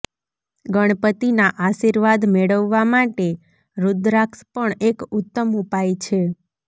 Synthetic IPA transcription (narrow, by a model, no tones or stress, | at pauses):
ɡəɽ̃pət̪inaʔaʃiɾʋad̪meɭəʋːamaʈe | ɾud̪ɾakspəɳekʊt̪ːəmupajt͡ʃʰe